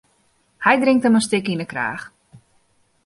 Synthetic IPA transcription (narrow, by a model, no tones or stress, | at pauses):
hɛjdrɪŋktəməstɪkinəkra̰ːx